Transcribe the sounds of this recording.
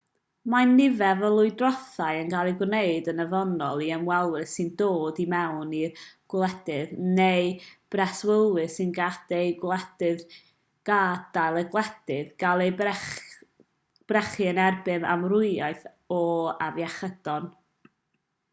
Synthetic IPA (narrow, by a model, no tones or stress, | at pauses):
manːɪvɛvɔlˠʊɨdrɔθajənɡalˠiɡwneɨdənəvɔnɔlˠiəmwɛlˠwɨθsɨndoːdimɛwniɡ̥wlˠɛd̥ɨðnejb̥rɛswəlˠwɨsɨnɡad̥ejɡwlˠɛd̥ɨð | ɡ̥ad̥ajlˠəɡlˠɛd̥ɨðɡ̥alˠej | b̥rɛχɨənɛrbɨma̰mrʊɨajθ | ɔavjaχəd̥ɔn